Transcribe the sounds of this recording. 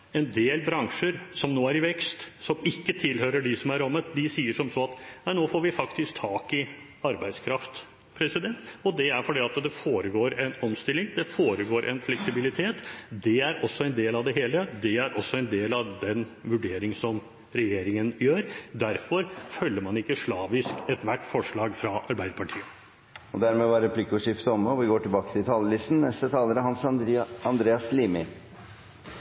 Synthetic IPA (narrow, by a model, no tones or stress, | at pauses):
ɛnd̪eːlbɾɑŋʂəɾsɔmnoːæɾɪʋɛkst̪sɔmɪkːət̪ʰɪlhøːɾəɖɪsɔmæɾɔmːət̪d̪ɪsiːəʂɔmsɔɑt̪næɪnoːfoːɾʋɪfɑkt̪ɪsk̚t̪ʰːɑːkɪ | ɑɾbæɪskʰɾɑft̪ | pʰɾɛsɪd̪ɛnt̪ɔd̪ɛæɾfɔɖiːɑt̪d̪ɛfoːɾəɡoːɾɛnɔmst̪ɪlːɪŋd̪ɛfoːɾəɡoːɾʔɛ̰nflɛksɪbɪlɪt̪ʰeːt̪d̪ɛæɾɔsːɔɛnd̪eːlɑʋd̪ɛɦeːləd̪ɛæɾʔɔsːɔɛnd̪eːlɑʋd̪ɛnʋʉɖeːɾɪŋsɔm | ɾɛjeːɾɪŋənjøːɾd̪æɾfɔɾfœlːəɾmɑnɪkːəʂɭɑːʋɪskɛt̪ʋæʈːfɔʂɭɑːɡfɾɑʔɑɾbæɪd̪əpɑʈʰiːə | ɔd̪æɾmeːʋɑɾɛpʰlɪːkʉʂɪft̪əɔmɔʋɪɡoːʈɪlbɑːkət̪ʰɪlt̪ʰɑːləlɪst̪n̩nɛst̪ət̪ʰɑːləɾəɦɑnsɑnd̪ɾeːɑsliːmɪ